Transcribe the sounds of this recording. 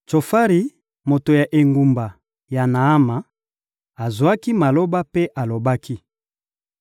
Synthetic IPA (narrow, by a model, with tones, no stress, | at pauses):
t͡ʃo˨fa˦ʁi˨ | mo˨to˨ja˨ʔe˨ŋɡu˨mba˨ | ja˨na˨a˦ma˨ | a˨zwa˦ki˦ma˨lo˦ba˦pe˦ʔa˨lo˨ba˦kʰi˦